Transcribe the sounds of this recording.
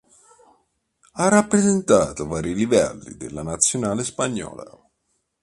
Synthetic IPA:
arapːɾezent̪aːt̪ovaːɾilivɛlːḭd̪elːanat̪sːjonaːlespaɲːɔ̰ːla̰

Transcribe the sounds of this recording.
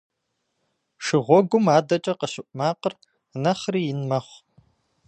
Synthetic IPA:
ʂɨʁʷɔɡʷʊmaːdɐt͡ʃʼɐqəɕɪʔʷʼmaːqər | nɐχriːjɪnmɐχʷ

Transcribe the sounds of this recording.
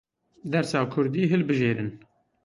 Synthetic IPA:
d̪ɛɾsɑːkʰʊɾd̪iːɦɨlbɨʒeːɾɨn

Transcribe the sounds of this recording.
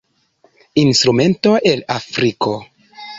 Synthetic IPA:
instɾume̞nto̞ʔe̞lafɾikʰo̞

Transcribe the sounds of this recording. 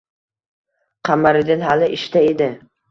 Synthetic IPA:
qʰamaɾɪd̪ɪnɦalɪʔɪʃt̪aed̪ɪ

